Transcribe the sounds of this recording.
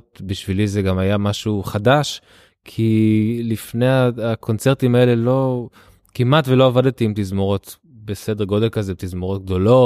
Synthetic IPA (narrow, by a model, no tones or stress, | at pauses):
tbiʃvilizeɡamajamaʃuχadaʃ | kʰilifne̞aːkʰo̞nt͡seʁtimae̞le̞lo | kimatvelo̞avadtiːmt̪izmoʁo̞t | besedeʁɡo̞de̞lkazet̪izmoʁo̞t̚ɡ̚d̪o̞lo̞